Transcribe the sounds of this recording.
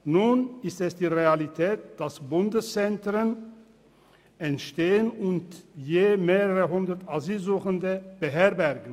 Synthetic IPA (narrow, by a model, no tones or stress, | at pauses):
nunɪstɛsd̥iːʁealitʰɛːt̚d̥asbʊndəst͡sɛntʁən | ɛntʃteːənʊntjeːmeːʁəʁəɦʊndɐtʰazyːlzuːxəndəb̥əɦɛɐbɛɐɡn̩